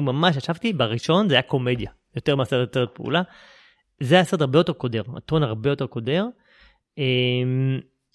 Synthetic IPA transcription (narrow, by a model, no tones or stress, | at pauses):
umamaʃaʃavt̪ibaʁiʃo̞nzeajako̞me̞d̪ja | jo̞t̪emeaseʁt̪jot̪e̞et̪̚peṵla | zeaːseetaʁbejo̞t̪e̞ʁko̞de̞ʁa̰t̪onaʁbe̞jo̞t̪e̞ʁko̞d̪e̞ʁ | em